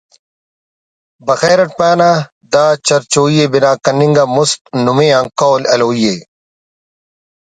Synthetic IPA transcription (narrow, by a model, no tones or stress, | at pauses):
bɐxeːɾɐʈ̚paːna | d̪aːt͡ɕɐɾt͡ɕoːijebinaːkɐniŋɡamust̪̚numẽːãŋkoːlɐloːije